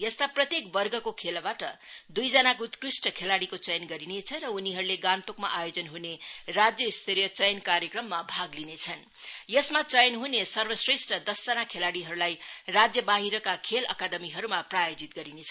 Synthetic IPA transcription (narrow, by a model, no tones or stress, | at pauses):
jʌst̪aprʌt̪jekbʌrɡʌkokʰelbaʈʌd̪ujd͡zʌnakut̪krisʈʌkʰelaɽikot͡sʌjnɡʌɾinet͡sʰʌɾʌuniɦʌɾuleɡant̪okmaʔajod͡zʌnɦunerad͡zjʌist̪ʰeɾijʌt͡sʌjnkaɾjʌkrʌmːabʱaɡlinet͡sʰʌn | jʌsmat͡sʌjnɦunesʌrbʌsresʈrʌd̪ʌsd͡zʌnakʰelaɽiɦʌɾulajrad͡zjʌbaɦiɾʌkakʰelʌ̰kad̪ʌmiɦʌɾumaprajod͡zit̪̚ɡʌɾinet͡sʰʌ